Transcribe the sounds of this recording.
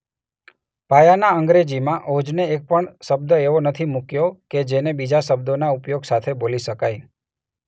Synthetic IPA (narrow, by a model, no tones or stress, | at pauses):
pajanaəŋɡɾed͡ʒimãʔod͡ʒneek̚pəɳʃəb̚d̪əeʋonət̪ʰimukjoked͡ʒenebid͡ʒaʃəb̚d̪onaupjoɡsat̪ʰeboliʃəkaj